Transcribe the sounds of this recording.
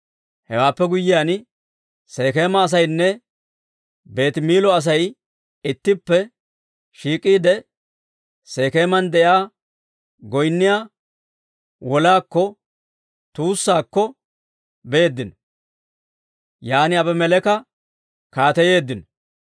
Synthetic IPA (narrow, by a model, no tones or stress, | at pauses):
hɛwaːpːɛɡʊjːɪjaːn | se̞ːkeːmɐːs̬ɐjnːɛ | be̞ːt̪miːlɔɐs̬ɐj | ɪt̪ːɪpːɛ | ʃiːkʼːiːd̪ɛ | se̞ːke̞ːmɐnd̪ɛʔjaː | ɡɔjnːɪjaː | wɔlaːkːɔ | t̪uːsːaːkːɔ | beːd̪ːɪnɔ | jaːnɪɐbɛmɛlɛkɐ | kaːt̪ɛje̞ːd̪ːɪnɔ̥